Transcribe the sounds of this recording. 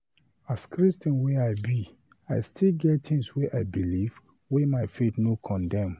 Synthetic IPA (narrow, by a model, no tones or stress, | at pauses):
askɹistə̃nweaɪbi | a̰ɪstʰilɡɛttʰĩŋsweʔaɪbiliv̥ | wemaɪfetnokʰɔ̃ndɛ̃m